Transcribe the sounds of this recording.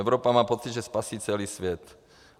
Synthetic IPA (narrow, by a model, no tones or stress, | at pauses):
ɛʊɾopamaːpɔt̪t͡sid̪ʒɛspasiːt͡sɛliːsʋjɛt̪